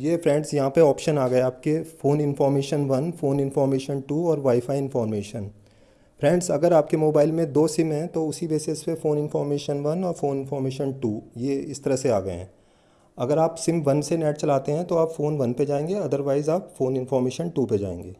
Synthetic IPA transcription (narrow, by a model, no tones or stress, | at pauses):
jeːpʰɾɛ̃ːɳɖsjɐɦãpeɔːpʃənaːɡɐeaːp̚kefoːnɪnfɔːɾmeːʃənʋɐnfoːnɪnfɔːɾmeːʃənʈuːɔːɾʋaːɪfaːiɪnfɔːɾmeːʃən | pʰɾɛ̃ːɳɖsɐɡəɾaːp̚kemoːbaːɪlmẽd̪oːsɪ̃mɦɛ̃t̪oʊsibeːsespefoːnɪnfɔːɾmeːʃənʋɐnɔːɾfoːnɪnfɔːɾmeːʃənʈuːjeːɪst̪ɐɾəseaːɡɐḛɦɛ̰̃ | ɐɡəɾaːpsɪmʋɐnsenɛːʈ̚t͡ʃɐlaːt̪eɦɛ̃t̪oaːpfoːnʋɐnped͡ʒaːẽːŋɡeɐd̪əɾʋaːɪzaːpfoːnɪnfɔːɾmeːʃənʈuːped͡ʒa̰ːḛ̃ːŋɡeː